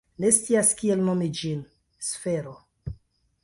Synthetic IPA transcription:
ne̞stt͡siaskielnomid͡ʒin | sfe̞ɾo

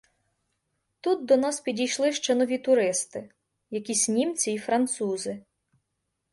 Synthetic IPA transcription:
t̪ut̪̚d̪ɔnɑspʲidʲijʃlˠɪʃt͡ʃɛnɔʋʲit̪ʊɾɪst̪ɪ | jɐkʲisʲnʲimt͡sʲiːfɾɐnt̪suzɪ

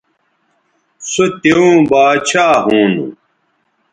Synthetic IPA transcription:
sot̪eũːbaːt͡ɕʰaːɦuːnṵ

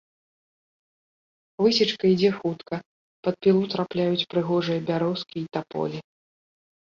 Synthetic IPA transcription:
vɨsʲit͡ʂkɐid͡zʲɛxut̪kɐ | pɐt̪̚pʲilˠut̪ɾaplʲajut͡sʲpɾɨɣɔʐɨjɐbʲaɾɔskʲiːt̪apɔ̰lʲi

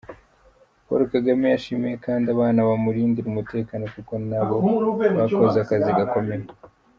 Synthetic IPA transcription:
ko̰ɾokaɡamejaʃimijekaːndiaβaːnaβamuɾiːndiɾumute̞ːkaːno̞kuko̞naβo̞βakozakaziɡako̞me̞ɾe

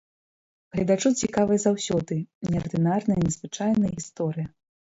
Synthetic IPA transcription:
ɣlʲɐd̪at͡ʂut͡sʲikavɨjɐzawsʲɔd̪ɨnʲɛɐrd̪ɨnarnɐjɐnʲɛzvɨt͡ʂajnɐjɐɣʲist̪ɔɾɨjɐ

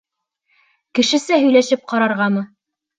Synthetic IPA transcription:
kɘ̆ʃɘ̆sɘɦɵ̆jlæʃɘp̚qɑɾɑɾʁɑmɤ

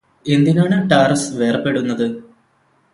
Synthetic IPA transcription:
e̞nd̪inaːɳɨʈaːrsʋeːrɐpːe̞ɽunːɐðɨ

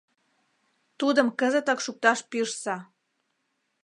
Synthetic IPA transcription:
t̪ud̪ə̆mkəzət̪okʃuk̚t̪ɑʃpiʃsɑ

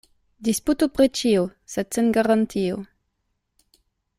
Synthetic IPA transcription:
d̪isput̪opʁet͡ʃiosɛd̪senɡaʁant̪io̰

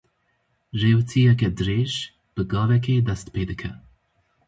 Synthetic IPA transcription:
reːwt̪ʰijɛkɛd̪ɨɾeːʒ | b̥ɨɡɑːvɛkʰeːd̪ɛst̪pʰeːd̪ɨkʰɛ

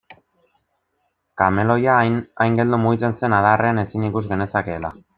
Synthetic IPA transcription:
kame̞lo̞jaajŋɡe̞ld̪umuɣit͡se̞nse̞naðarʔe̞ane̞sinikuzɣe̞ne̞sake̞ːla

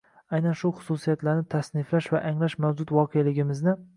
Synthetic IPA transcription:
ajnanʃʊχʊ̥susijat̪laɾnɪt̪ʰasnɪflaʃvaʔaŋlaʃmawd͡ʒʊt̪vɒqʰejalɪɡʲɪmɪznɪ

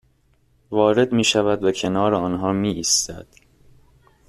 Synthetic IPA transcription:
vɒːɾe̞d̪miːʃævæd̪̚becʰe̞nɒːɾeɒːnɦɒːmiːʔiːst̪æ̰d̪̥

